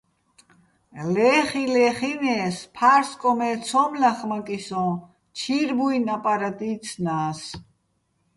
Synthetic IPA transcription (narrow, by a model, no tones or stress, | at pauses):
lɛːχilɛχinɛːspʰaɾskʼɔmɛt͡sʰɔmlaχmakʼisɔ̃ | t͡ʃʰiɾbuinapʼaɾat̪ʼiːt͡sʰnaːs